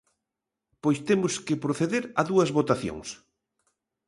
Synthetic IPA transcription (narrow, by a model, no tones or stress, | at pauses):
pojst̪emʊskɪpɾoθeðeɾɐðuɐzβot̪aθjo̰ŋs